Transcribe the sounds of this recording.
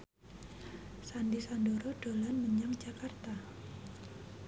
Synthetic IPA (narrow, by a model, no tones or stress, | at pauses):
sandisandoɾod̥olanməɲaŋd͡ʒakart̪a